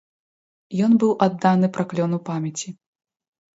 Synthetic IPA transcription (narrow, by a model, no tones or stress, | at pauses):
jɔnbɨwʔad̪ːanɨpɾaklʲɔnupamʲjɐt͡sʲi